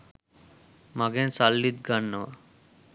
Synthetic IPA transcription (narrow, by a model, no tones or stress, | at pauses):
maɡensalːid̪ɡanːəʋa̰